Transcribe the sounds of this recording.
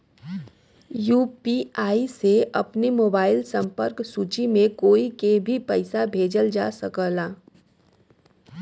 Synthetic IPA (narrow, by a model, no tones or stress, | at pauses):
juːpiaːiseɐpnimoːbaːɪlsə̃mpəɾksuːt͡ʃimẽkoːikebʱipəɪsabʱeːd͡ʒəld͡ʒaːsəkəlaː